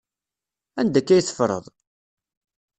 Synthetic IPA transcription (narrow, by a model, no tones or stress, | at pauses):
ænd̪ækːæjθə̥fɾˤə̰ðˤ